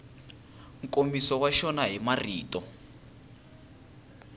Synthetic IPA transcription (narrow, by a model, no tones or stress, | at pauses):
ŋ̩kʼomisɔwaʃɔnaɦimarḭːtɔ